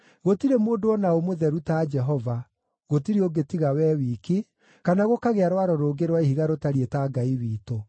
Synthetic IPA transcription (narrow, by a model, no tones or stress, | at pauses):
ɣotiɾemoːdoɔnaomoðɛɾutad͡ʒɛɦɔva | ɣotiɾeoɡetiɣawɛːwiːki | kanaɣokaɣeaɾwaɾɔɾoːɡeɾwaihiɣaɾotaɾietaɡaiwiːto